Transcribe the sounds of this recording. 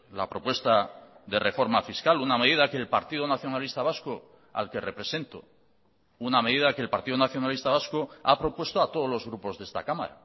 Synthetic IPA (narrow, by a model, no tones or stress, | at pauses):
lapɾo̞pwe̞st̪aðe̞rʔe̞fo̞ɾmafiskaluname̞ð̞iðake̞ːlpa̰ɾt̪iðonaθjo̞nalist̪aβ̞asko | a̰lke̞re̞pɾe̞se̞nt̪o | uname̞ðiðake̞ːlpaɾt̪iðonaθjo̞nalist̪aβaskoapɾo̞pwe̞st̪oat̪oð̞o̞lo̞zɣɾupo̞zðe̞st̪akama̰ɾa̰